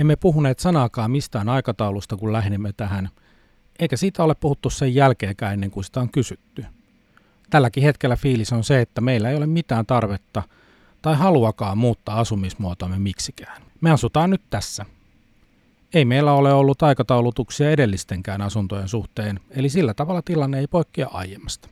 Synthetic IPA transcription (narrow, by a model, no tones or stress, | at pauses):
emːepuhuneːt̪sɑnɑːkɑːmmist̪æːnɑikɑt̪ɑulust̪ɑkullæhnimːet̪æɦæn | eikæsiːt̪æoleppuhut̪ːussejjælkeːkæːenːeŋkunsi̥t̪æoŋkysyt̪ːy | t̪ælːækihet̪kelːæfiːlisonseet̪ːæmeilːæeijolemmit̪æːnt̪ɑrʋet̪ːɑ | t̪ɑihɑluɑkɑːmmuːt̪ːɑːɑsumismuot̪oːmːemiksikæːn | meɑsut̪ɑːnnyt̪t̪æsːæ | eimeilːæoleolːut̪ɑikɑt̪ɑulut̪uksiɑedelːist̪eŋkæːnɑsunt̪ojensuht̪eːnelisilːæt̪ɑʋɑlːˑɑt̪ilɑnːeeipoikːiɑʔɑ̰jemːɑst̪ɑ̥